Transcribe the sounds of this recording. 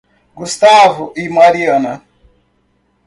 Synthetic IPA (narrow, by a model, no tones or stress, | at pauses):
ɡust̪aːvuʔimaɾiɐnɐ